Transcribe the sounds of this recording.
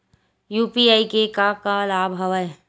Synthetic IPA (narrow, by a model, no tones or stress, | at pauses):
juːpiaːikekakalaːbʱɦɐʋə